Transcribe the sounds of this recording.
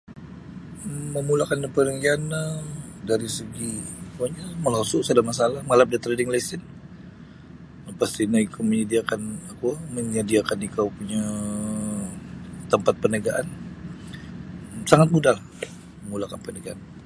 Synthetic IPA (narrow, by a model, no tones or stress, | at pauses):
əmulakanpənəɡianədaɾisəɡikuaɲaməlasʊʔsadamasalahməŋalap̚dat̪ɾedɪŋlaisɪn | past̪inaikaməɲədiakanakuməɲədiakanikawpuɲa | t̪əmpat̪̚pənəɡaʔan | saŋat̪̚mudal | məmulakanpənəɡaan